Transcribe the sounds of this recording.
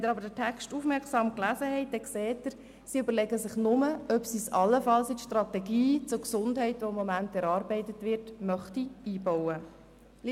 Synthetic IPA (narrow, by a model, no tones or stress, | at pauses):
ɛd̪əɾɑbəɾdətʰɛkstufmɛɾksɑːmklæːzəhɛɪt̚d̥ɛksɛːtːəɾ | siʏbəɾlɛɡəsɪχnʊməœpsisɑlːəfɑlsɪtʃtrɑtɛɡiːt͡sʊɾksʊndɦɛɪtʋoɪmːɔmæntɛɾɑːɾbɛɪtətʋɪɾtmœχtiiːbɔwə